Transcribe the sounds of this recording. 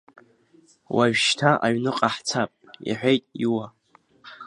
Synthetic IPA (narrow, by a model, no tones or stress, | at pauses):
waɥᶣʃtʰaʔaɥnɨqʼaħt͡sʰapʼḭħʷᶣejtʼiwa